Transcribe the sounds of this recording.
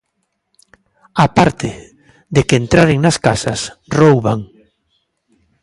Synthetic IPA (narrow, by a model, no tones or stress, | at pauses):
apaɾt̪ʰe | ðekeːnt̪ɾaɾɪŋnaskasasrowβaŋ